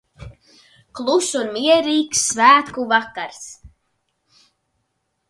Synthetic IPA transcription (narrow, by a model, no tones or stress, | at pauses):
klˠusuɾmiɛɾiːksvæːkuvakaɾs